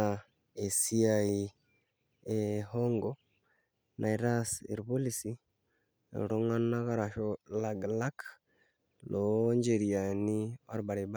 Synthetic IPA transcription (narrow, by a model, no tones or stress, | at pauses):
a | esiai | ehoŋɡo | nʔaiɾasḛɾuβolisḭ | ɾoŋanaɣaɾaʃolaɡlak | lʔoɲɟeɾijaniaɾubaɾiba